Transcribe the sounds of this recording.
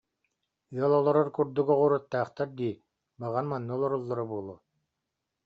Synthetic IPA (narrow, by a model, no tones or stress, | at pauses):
yɔlˠɔlˠɔɾɔɾkuɾd̪uɡɔʁuɾat̪ːaːχt̪aɾd̪iː | baʁanmanːuɔlˠɔɾɔlˠːɔɾɔbulˠu